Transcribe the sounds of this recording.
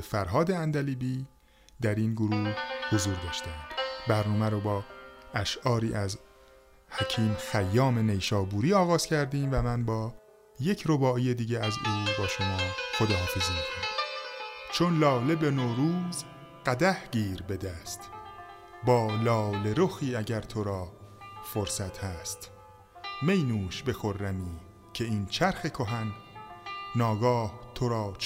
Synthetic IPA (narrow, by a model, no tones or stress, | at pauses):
efæɾɦɒːd̪e̞ænd̪æliːbiː | d̪æɾinɡoɾuːhozuːɾd̪ɒːʃt̪ænd̪̥bæɾnɒːmæɾobɒːæʃɒːɾiːʔæz | hæcʰiːmxæjːɒːme̞ne̞jʃɒːbuːɾiːɒːɣɒːz̥cʰæɾd̪iːmvæmænbɒː | je̞cʰɾo̞bɒːijed̪iːɟeæzuːbɒːʃo̞mɒːxod̪ɒːɦɒːfezimikʰoni | t͡ʃʰo̞nlɒːle̞be̞noːɾuːz | ɢæd̪æhɟiːɾbe̞d̪æːst̪ | bɒːlɒːle̞ɾoxiːæɟæɾt̪ʰo̞ɾɒːfoɾsæt̪ʰhæst̪ | me̞jnuːʃbe̞xo̞ɾːæmiː | cʰe̞iːnt͡ʃʰæɾxe̞kʰo̞ɦænː | ɒːɡɒːht̪ʰoɾɒː